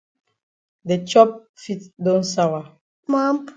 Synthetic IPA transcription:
de˨t͡ʃɔ˦p̚fi˦t̚dɔ̃˦nsawa˨ | mã˦mp

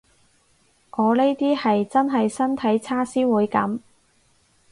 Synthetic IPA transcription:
ŋɔː˨˧le˥jt̪iː˥hɐ˨jt͡sɐ˥nɦɐ˨jsɐ˥nt̪ʰɐ˨˥jt͡sʰaː˥siː˥wuː˨˧jkɐ̰˨˧˥m

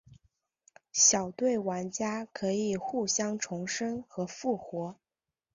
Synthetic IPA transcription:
ɕjɑ˨˩ʊt̪we˥˩ɪwa˧˥nt͡ɕja˥kʰɤ˧˥i˨˩xu˥˩ɕjɑ˥ŋʈ͡ʂʰʊ˧˥ŋʂə˥nxɤ˧˥fu˥˩xwɔ˧˥

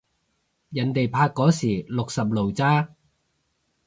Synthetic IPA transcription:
jɐ˨˥nt̪e˨jpʰaː˧kːɔː˨˥siː˨˩lʊ˨k̚sɐ˨p̬̚lo˨˩wt͡saː˥

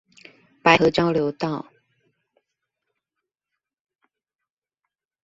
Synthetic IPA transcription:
pa˧˥ɪxɤ˧˥t͡ɕjɑ˥ʊljo˧˥ʊt̪ɑ˥˩ʊ

